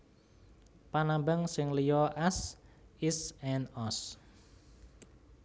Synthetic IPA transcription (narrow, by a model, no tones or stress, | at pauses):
panambəŋsɪŋlijɔʔasisɛnɔs